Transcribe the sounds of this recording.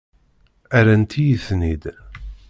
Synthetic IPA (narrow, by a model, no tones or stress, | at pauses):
æɾænt̪ʰijəθnid̪